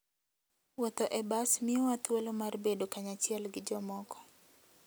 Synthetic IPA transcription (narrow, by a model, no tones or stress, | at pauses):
wɔt̪oʔɛbasmiɔat̪welomarbedokaɲat͡ʃɪɛlɡɪd͡ʒɔmɔkɔ̥